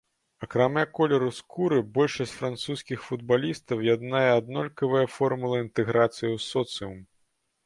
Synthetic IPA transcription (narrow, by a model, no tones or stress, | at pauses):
ɐkɾamʲakɔlʲɛɾuskʰuɾɨbɔlʲʂɐsʲt͡sʲfɾant̪suskʲixfud̪̚balʲist̪ɐwjad̪najɛad̪nɔlʲkɐvɨjɐfɔrmulˠɐint̪ɛɣɾat̪sɨjiwsɔt̪sɨum